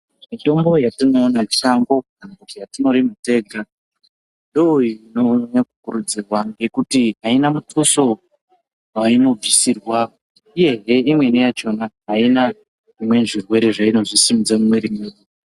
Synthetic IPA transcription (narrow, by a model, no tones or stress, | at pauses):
mito̞mbo̞jatino̞ːnamiʃaŋɡo̞ | ambukijatino̞ɾimute̞ːɡʱa | ndooinoɲakukuɾud͡zirwaŋɡe̞kutiɦainamutuso̞ | waino̞b͡visirwa | ije̞ɦe̞imwe̞nijat͡ʃo̞naɦːina | imwe̞ʐirwe̞ɾe̞ʐaino̞ʐisimid͡zamumweɾimeːnu